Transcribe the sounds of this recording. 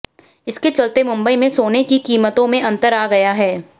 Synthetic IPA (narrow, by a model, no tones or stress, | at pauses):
ɪsket͡ʃɐlt̪emʊ̃mbəimẽsoːnekikiːmət̪õmẽʔɐ̃nt̪əɾaːɡɐjaɦɛː